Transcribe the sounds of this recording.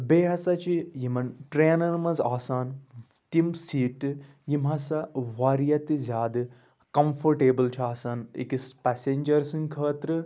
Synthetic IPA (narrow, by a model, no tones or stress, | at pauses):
beːɦɐsɐt͡ʃʰijimɐnʈɾeːnɐnmɐzaːsaːn | t̪imsiːʈɨ | jimɐsɐʋaːɾijɐt̪ɨzʲjaːd̪ɨ | kɐmfʰɐɾʈeːbɨlt͡ʃʰiaːsaːnḭkispɛseːnd͡ʒɐɾsɨŋkʰəːt̪ɾɨ